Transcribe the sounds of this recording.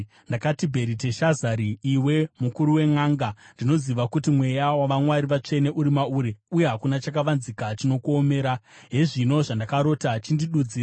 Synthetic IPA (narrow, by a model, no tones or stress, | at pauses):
ndakatibʱe̞ɾite̞ʃazaɾiːwe̞mukuɾuwe̞ŋaːŋɡandino̞ziʋakutimwe̞jawaʋaŋwaɾiʋat͡ʂe̞ne̞ʔuɾimauɾeuje̞ɦakunat͡ʃakaʋanzikat͡ʃino̞kuome̞ːɾaɦe̞ʐino̞ʐandakaɾo̞ːtat͡ʃindiɗud͡ziːr